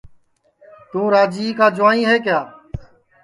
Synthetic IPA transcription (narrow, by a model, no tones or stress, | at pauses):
t̪ũːɾaːd͡ʒiːkaːd͡ʒʊʋaːnĩːɦeːkjaː